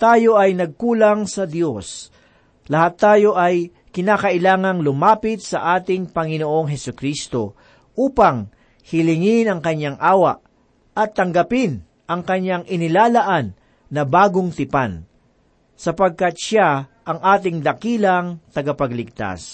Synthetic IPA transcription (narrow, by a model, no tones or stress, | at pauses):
t̪aːjo̞ʔɐjnɐɡ̚kuːlɐŋsɐd̪jo̞s | lɐhat̪ːaːjo̞ʔɐj | kɪnaːkɐʔɪlaːŋɐŋlʊmaːpɪt̪̚sɐʔaːt̪ɪŋpɐŋɪnoʔo̞ŋɦɛsʊkɾist̪o̞ | ʔuːpɐŋ | hɪlɪŋɪnɐŋkɐɲːaŋʔaːwɐʔ | ɐt̪ːɐŋɡɐpɪn | ʔɐŋkɐɲːaŋʔɪnɪlaːlɐʔanː | ɐbaːɡoŋt̪ɪpan | sɐpɐɡ̚kɐt̪̚ʃaʔɐŋʔaːt̪ɪŋd̪ɐkiːlɐŋt̪ɐɡɐpɐɡlɪɡ̚t̪a̰s